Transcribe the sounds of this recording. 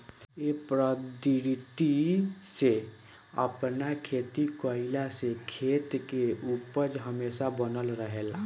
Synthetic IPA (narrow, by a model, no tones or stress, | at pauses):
epɾəd̪ɾit̪ise | ə̰pnakʰeːt̪ikoɪlasekʰeːt̪keupəd͡ʒɦəmeːsabənəlɾəɦeːla